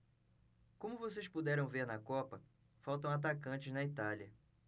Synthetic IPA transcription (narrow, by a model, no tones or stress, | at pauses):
kõmʊvosespud̪ɛɾɐ̃w̃veɾnɐkɔpɐ | fawt̪ɐ̃w̃at̪akɐ̃nt͡ʃɪznɐit̪aljɐ